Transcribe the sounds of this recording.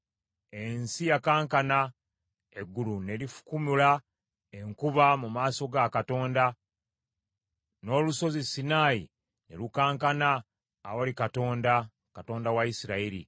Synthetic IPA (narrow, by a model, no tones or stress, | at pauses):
e̞nsijakaːŋkana | eɡːulune̞lifu̥kumila | e̞ŋkuβamumaːso̞ɡakato̞ːnda | no̞ːluso̞zisinaːjḭ | ne̞̰lukaːŋkanaː | wolikato̞ːnda | kato̞ːndawaisiɾaiɾḭ